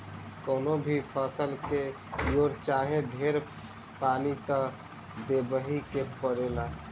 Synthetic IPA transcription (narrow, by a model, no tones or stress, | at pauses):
kɔːnobʱipʰəsəlke | joɾt͡ʃaːɦẽɖʱeɾ | paːnit̪ə | d̪ebəɦikepəɾela